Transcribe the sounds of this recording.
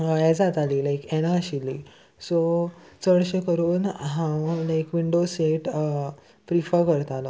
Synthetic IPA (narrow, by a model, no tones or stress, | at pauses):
ɛd͡zat̪aliːlajkɛɽ̃aɕili | sot͡səɽɕekəɾuːnɦãwlajkʋiɳɖoseʈ | pɾifəɾkəɾt̪alɔ